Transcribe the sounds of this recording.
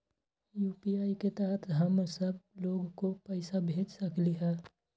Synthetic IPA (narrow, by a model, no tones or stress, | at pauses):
juːpiaːiket̪aːt̪ʰɦəmsəb̚loːɡkopəɪsabʱeːd͡ʒsəkliɦɛː